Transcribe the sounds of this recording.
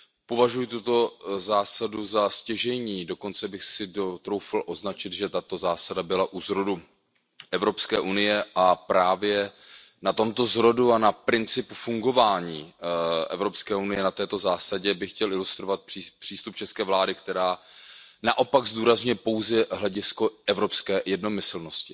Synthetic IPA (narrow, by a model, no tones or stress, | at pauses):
povaʒujɪt̪ut̪o̞zaːsaduzascɛʒɛɲiːdo̞ko̞nt͡sɛbɪxsɪdot̪ɾo̞wfalʔo̞znat͡ʃɪt̪ʒɛt̪at̪o̞zaːsadabɪlaʔuzɾo̞du | ʔɛvɾo̞pskɛ̰ːʔunɪjɛʔapɾaːvjɛnat̪o̞mt̪o̞zɾo̞duanapɾɪnt͡sɪpufuŋɡo̞vaːɲiːʔɛ̰vɾo̞pskɛːʔunɪjɛnat̪ɛːt̪o̞zaːsaɟɛbɪxcɛlɪlust̪ɾovat̪̚pr̥ipr̥iːst̪up̚t͡ʃɛskɛːvlaːdɪkt̪ɛɾaːna̰ʔo̞paɡzd̪uːɾazɲujɛpo̞wzɛɦlɛɟɪsko̞ɛvɾo̞pskɛːjɛdno̞mɪsl̩no̞scɪ